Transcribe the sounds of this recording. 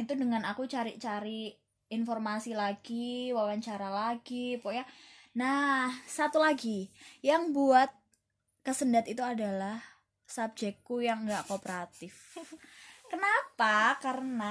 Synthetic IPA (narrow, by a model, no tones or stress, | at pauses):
it̪udəŋanakut͡ʃaɾit͡ʃaɾiː | nfɔrmasilaɡ̥iwawaɲt͡ʃaɾalaɡipɔʔja | nahsat̪ulaɡijaŋbuat̪̚ | kəsəndat̪it̪uadalah | sap̚d͡ʒɛkːujaŋɡaʔkopəɾat̪ɪf | kənapakaɾəna